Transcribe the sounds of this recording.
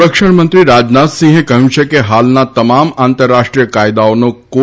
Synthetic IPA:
əkʃəɳmə̃nt̪ɾiɾad͡ʒnat̪sĩŋɦẽkəɦjũt͡ʃʰekeɦalnat̪əmamant̪əɾːaʃʈɾijəkajd̪aonoko

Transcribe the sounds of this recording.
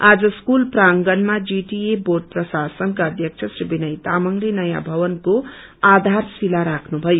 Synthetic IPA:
ad͡zʌskulpraŋɡʌnmad͡ziʈieborʈ̚prʌsasʌnkaʌd̪ʱjʌk̚t͡sʰʌsribinʌjt̪amʌŋlenʌja̰bʱʌwʌnko | ad̪ʱarsilaɾakʰnubʱʌjo

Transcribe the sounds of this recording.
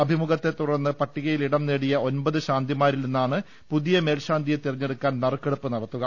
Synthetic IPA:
ɐbʱimuɣɐt̪ːe̞t̪ːurɐrnːɨpɐʈːiɣɐjiliɽɐmneːɽijɐo̞nbɐðɨɕaːnd̪ʱimaːɾilninːaːɳɨ | puðijɐme̞ːlɕaːnd̪ʱijet̪iriɲːeɽukːaːnnɐrkːeɽupːɨnɐɽɐt̪ːuɣɐ

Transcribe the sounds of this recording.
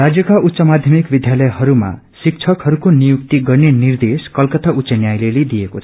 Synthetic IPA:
rad͡zjʌkaʔut̪ːsʌmad̪ʱjʌmikbid̪ʱjalʌjɦʌɾuma̰ | sik̚t͡sʰʌkhʌɾukonijuk̚t̪iɡʌrnenird̪eskʌlkʌt̪autsʌnjajleled̪ijekot͡sʰʌʌ

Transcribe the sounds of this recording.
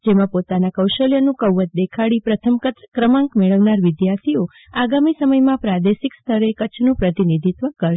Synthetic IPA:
d͡ʒemãpot̪anakəwʃəljənũkəwːət̪̚d̪ekʰaɽipɾət̪ʰəmkət̪kɾəmãŋkmeɭəʋnaɾʋɪd̪jaɾt̪ʰio | aɡamisəməjmãpɾad̪eʃikst̪ʰəɾekət͡ʃʰnũpɾət̪inid̪ʱit̪ʋəkəɾʃ

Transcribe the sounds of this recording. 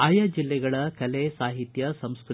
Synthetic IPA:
aːjɐd͡ʒilːɛɡɐɭɐkɐlesaːɦit̪jɐsɐmskɾɨ

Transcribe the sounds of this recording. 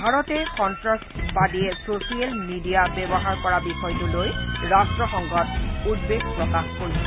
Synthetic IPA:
bʱaɹɔtɛkɔntɹaspadiɛsosialmidijabɛbɔɦaɹpɔɹabixɔjtʊlojɹastɹɔxɔŋɡɔtudbeɡpɹɔkaxkoɹisɔ

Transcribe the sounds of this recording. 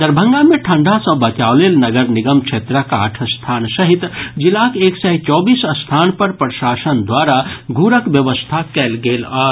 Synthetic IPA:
d̪əɾbʱə̃ŋɡamẽʈʰə̃ɳɖʱasə̃bət͡ʃaolelnəɡəɾniɡəmt͡ʃʰet̪ɾəka̰ːʈʰəst̪ʰaːnsəɦit̪d͡ʒilakeːksɛt͡ʃɔːbisəst̪ʰaːnpəɾpɾəʃaːsənd̪waɾaɡʱuɾəkbjəʋəst̪ʰakɛːlɡeːlɔː

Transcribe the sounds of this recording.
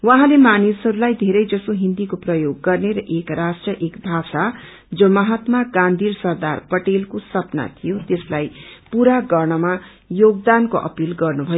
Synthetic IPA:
wãɦãlemanisɦʌɾulajd̪ʱeɾʌjd͡zʌsoɦind̪ikoprʌjoɡːʌrneɾʌʔekrasʈrʌʔekbʱasa | d͡zʌmʌɦat̪maɡãnd̪ʱiɾsʌrd̪arpʌʈelkosʌpna̰t̪ʰijot̪eslajpuɾaɡʌrɳ̃ʌma | joɡ̚d̪ankoʔʌ̰pilɡʌrnubʱʌjo

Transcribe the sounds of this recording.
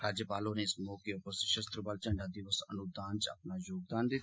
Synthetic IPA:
ɾaːd͡ʒjəpaːloːneɪsmoːkiopəsəʃəst̪ɾəbaːlt͡ʃə̃ɳɖaːd̪ɪʋəsənʊd̪aːnt͡ʃa̰pnaːjoːɡ̚d̪aːnd̪ɪt̪ʰː

